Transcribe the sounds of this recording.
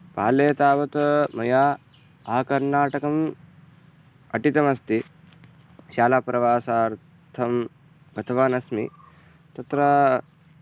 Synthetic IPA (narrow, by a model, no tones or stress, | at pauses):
pa̰ːleːt̪aːʋɐt̪mɐjaː | aːkɐɾnaːʈɐkɐm | ɐʈit̪ɐmɐst̪i | ʃaːlaːpɾɐʋaːsaːɾ | t̪ʰɐm | ɡɐt̪ʰɐʋaːnɐsmḭ | t̪ɐt̪ɾɐ